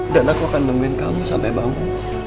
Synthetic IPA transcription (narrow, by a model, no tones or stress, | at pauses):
daʔlahkoakanməŋuɪnkamusa̰mpajbamu